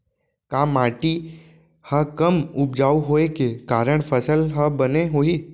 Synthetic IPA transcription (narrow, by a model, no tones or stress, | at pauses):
kaːmaːʈi | hɐkəmʊp̚d͡ʒaːuɦoːekekaːɾəɽ̃pʰəsəlɦəbəneɦoːiː